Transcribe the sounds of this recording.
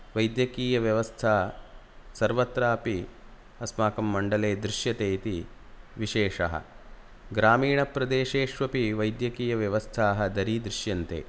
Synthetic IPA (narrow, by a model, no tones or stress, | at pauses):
ʋɐjd̪jɐkiːjɐʋjɐʋɐst̪ʰaː | sɐɾʋɐt̪ɾaːpi | ɐsmaːkɐmːɐɳɖɐleːd̪ɾɪʃjɐt̪eːt̪i | ʋiʃeːʂɐ̰ɦɐ̰ | ɡɾaːmiːɳɐpɾɐd̪eːʃeːʃʋɐpiʋɐjd̪jɐkiːjɐʋjɐʋɐst̪ʰaːɦɐd̪ɐɾiːd̪ɾɪʃjɐnt̪ḛː